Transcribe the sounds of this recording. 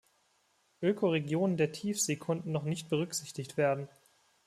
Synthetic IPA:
ʔøːkʰoʁeɡjoːnəndeːɐtʰiːfz̥ekʰʊndn̩nɔχnɪçt̚b̥əʁ̞ʏkz̥ɪçtɪçtv̥eːɐdn̩

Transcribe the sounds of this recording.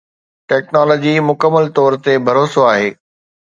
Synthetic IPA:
ʈɛːknɔːlɔːd͡ʑimʊkəmːəlt̪ɔːɾt̪ebʱɐɾoːsoaːɦeː

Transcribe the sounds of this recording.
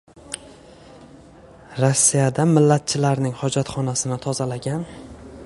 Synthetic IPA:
ɾosːijad̪amɪlːat̪̚t͡ʃʰɪlaɾnɪŋhɒd͡ʒat̪χɒnasɪnɪt̪ʰɒzalaɡʲan

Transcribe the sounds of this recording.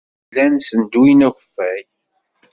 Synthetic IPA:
lænsənd̪uinæçʷəfːæj

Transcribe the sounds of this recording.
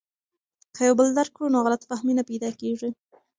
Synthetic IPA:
kʰajawbəld̪aɾkɽunoɣalat̪fahminapajd̪ɑkeʐi

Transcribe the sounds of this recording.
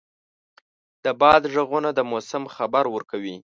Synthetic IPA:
d̪̥əbɑd̪ʒəɣunad̪əmosɪmxabaɾwəɾkawi

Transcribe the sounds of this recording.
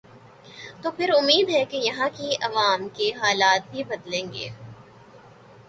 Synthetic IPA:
t̪oːpʰɪɾʊmːiːd̪ɦɛkejɐɦãkiɐʋaːmkeɦaːlaːt̪̚bʱibɐd̪lẽːŋɡḛː

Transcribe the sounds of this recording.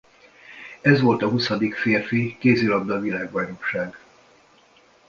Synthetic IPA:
ɛzʋo̞lt̪ɒɦusɒd̪ikfeːrfikeːzilɒbd̪ɒvilaːɡbɒnokʃaːɡ

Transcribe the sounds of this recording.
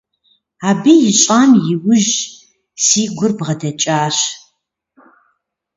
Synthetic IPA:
aːbijɪɕʼaːmjɪwʊʒ | siːɡʷʊrbʁɐdɐt͡ʃʼaːɕ

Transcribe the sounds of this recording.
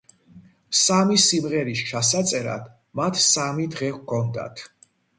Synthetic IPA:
samisimʁɛɾist͡ʃʰasat̪sʼɛɾa̰d̪̥ | mat̪ʰsamid̪ʁɛχkʰɔnd̪a̰t̪ʰ

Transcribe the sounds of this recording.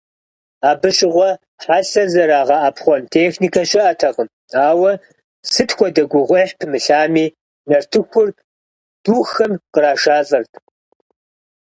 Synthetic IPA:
aːbɨɕʼɪʁʷɔ | ħaɬɐzɐɾaːʁɐʔapχʷɔntʰeːxnikʰɐʃɪʔɐtʰɐʁəm | aːwɐ | sɨtʰxʷɔdɐɡʷʊʁʷʊħpʰɨmɨɬaːmiː | nɐrtʰɨxʷʊr | d̥uːxɐmqəɾaːʂaːsʼɐrtʰ

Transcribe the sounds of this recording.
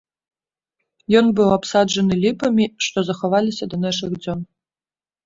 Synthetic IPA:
jɔnbɨwapsad͡ʐɐnɨlʲipɐmʲiʂt̪ɔzɐxavalʲisʲɐd̪ɐnaʂɨɣd͡zʲɔn

